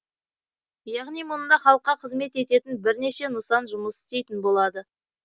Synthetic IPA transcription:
jɑʁnijmʊnəd̪ɑχɑlˠəqːɑqʰəzme̞t̪e̞t̪e̞t̪ɪnbɪɾne̞ʃe̞nəsɑnʒʊməsɪ̥st̪e̞jt̪ɪnbo̞lˠɑd̪ə

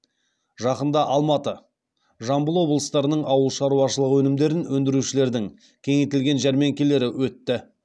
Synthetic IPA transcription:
ʒɑqənd̪ɑʔɑlˠmɑt̪ə | ʒɑmbəlˠwo̞blˠəst̪ɑɾənəɴɑwəlˠʃɑɾuwɑʃəlˠəqwɵnɪmd̪e̞ɾɪnwɵnd̪ɪɾuʃɪle̞ɾd̪ɪŋ | kʲʰe̞ŋejt̪ɪlɡʲe̞nʒæɾme̞ŋkʲelːe̞ɾɪwɵt̪ːɪ

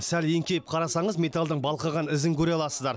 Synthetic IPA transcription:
sælje̞ŋkʲe̞jɪp̚qʰɑɾɑsɑɴəzme̞t̪alˠd̪əɴbɑlˠqɑʁɑnɪzɪŋkʲʰɵɾeɑlˠɑssəzd̪ɑɾ

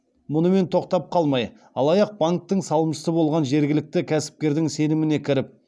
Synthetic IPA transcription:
mʊnəme̞nt̪ʰo̞qt̪ɑp̚qʰɑlˠmɑj | ɑ̰lˠɑjɑq̚baŋk̚t̪əɴsɑlˠəmʃə̥səbo̞lˠʁɑnʒe̞ɾɡʲɪlɪk̚t̪ɪkʲʰæsɪ̥p̚kʲe̞ɾd̪ɪŋse̞nɪmɪne̞kʲʰɪɾɪp̚

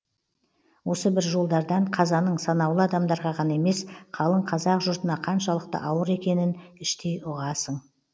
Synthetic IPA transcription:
wo̞səbɪɾʒo̞lˠd̪ɑɾd̪ɑɴqʰɑzɑnəɴsɑnɑwlˠəɑd̪ɑmd̪ɑɾʁɑʁɑnɑe̞me̞sqʰɑlˠəɴqʰɑzɑqʒʊɾt̪ənɑqʰɑnʃɑlˠəqt̪ə̰ʔɑwəɾe̞kʲe̞nɪnɪʃt̪ejʊʁɑsəɴ

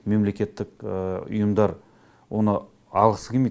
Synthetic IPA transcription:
me̞mle̞kʲe̞t̪ːɪkʊ̰jəmd̪ɑɾ | wo̞nə | ɑlˠʁəsə̥kʲʰeme

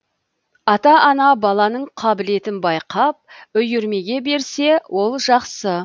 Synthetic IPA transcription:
ɑt̪ɑʔːnɑbɑlˠɑnəɴqʰɑbɪle̞t̪ɪnbɑjqɑp̚ʏjʏɾme̞ɡʲe̞be̞ɾse̞wʔo̞lˠʒɑqsə

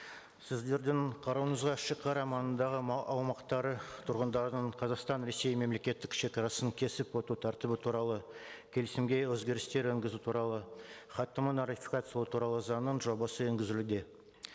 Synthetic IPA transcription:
sɪzd̪e̞ɾd̪ɪɴqʰɑɾɑwənəzʁɑʃəqːɑɾɑmɑnənd̪ɑʁəmɑʔɑwmɑqt̪ɑɾət̪ʰʊɾʁənd̪ɑɾənəɴqʰɑzɑqst̪ɑnɾe̞se̞jme̞mle̞kʲe̞t̪ːɪkʃe̞kʲɑɾɑsəŋkʲʰe̞sɪpwot̪ut̪ʰæɾt̪ɪbɪt̪ʰuɾɑlˠəkʲʰe̞lɪsɪmɡʲe̞wɵzɡʲe̞ɾɪst̪e̞ɾɵŋɡʲɪzut̪ʰuɾɑlˠə | χɑt̪ːəmənot̪ifʲi̥kat̪sijlˠət̪ʰuɾɑlˠəzɑnənʒo̞bɑsəeŋɡʲɪzɪlud̪e̞

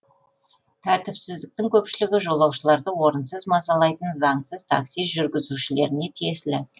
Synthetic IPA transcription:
t̪ʰæɾt̪ɪpsɪzd̪ɪk̚t̪ɪŋkʲʰɵpʃɪlɪɡʲɪʒo̞lˠɑwʃəlˠɑɾd̪əwo̞ɾənsəzmɑsɑlˠɑjt̪ənzɑŋsəzt̪ʰɑ̰ksiʒʏɾɡʲɪzuʃɪle̞ɾɪne̞t̪ʰijeslɪ

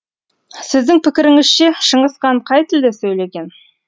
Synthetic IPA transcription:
sɪzd̪ɪŋpʰɪkʲɪɾɪŋɪzʃeʃəɴəsqɑɴqʰɑjt̪ʰɪld̪esɵjle̞ɡʲe̞n

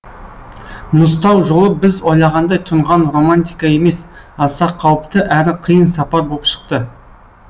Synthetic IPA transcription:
mʊs̬t̪ɑwʒo̞lˠəbɪzwo̞jlˠɑʁɑnd̪ɑjt̪ʰʊɴʁɑnro̞mant̪ijkɑe̞me̞s | ɑsɑqʰːɑwəpt̪əʔæɾɪqʰəjənsɑpɑɾbo̞lˠpʃə̥q̚t̪ə

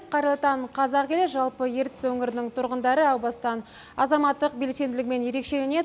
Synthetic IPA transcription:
qʰɑɾəlˠt̪ɑɴqʰɑzɑqkʲe̞leʒɑlˠpəje̞ɾt̪ɪ̥swɵŋɪɾɪnɪŋt̪ʰʊɾʁənd̪ɑɾəɑwbɑst̪ɑn | ɑzɑmɑt̪ːəq̚be̞lse̞nd̪ɪlɪk̚me̞nje̞ɾe̞kʃe̞lene̞

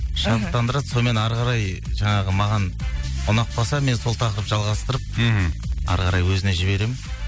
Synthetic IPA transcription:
ʃənəp̚t̪ːɑnd̪əɾɑd̪so̞nme̞nɑɾʁɑɾɑjʒɑɴɑʁəmɑʁɑnʊnɑq̚bɑsɑme̞nso̞lˠt̪ʰɑqəɾəpʒɑlˠʁɑst̪əɾəp̚ | ɑ̰ɾʁɑɾɑjwɵzɪneʒɪβe̞ɾe̞mɪn

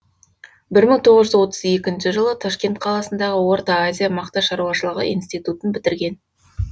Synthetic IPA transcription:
bɪɾməŋt̪ʰo̞ʁəzʒʏzwo̞t̪əze̞kʲɪnʃɪʒəlˠət̪ʰɑʃkʲe̞nt̪̚qʰɑlˠɑsənd̪ɑʁəwo̞ɾt̪ɑazʲijamɑqt̪ɑʃɑɾuɑʃəlˠəʁə̰ʔḭnst̪ijt̪ut̪ənbɪt̪ɪɾɡʲe̞n

